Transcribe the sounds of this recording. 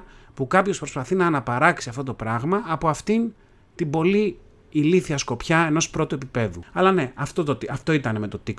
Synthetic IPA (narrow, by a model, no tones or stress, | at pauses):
pukɐpço̞spɾo̞spɐθinɐːnɐpɐɾɐksiɐft̪o̞t̪opɾɐɣmɐːpo̞ɐft̪in | t̪imbo̞liː | liθiɐsko̞pçɐe̞no̞spɾo̞t̪ue̞pipe̞ðuɐlɐne̞ɐft̪ot̪ot̪iɐft̪o̞it̪ɐne̞me̞t̪o̞t̪ik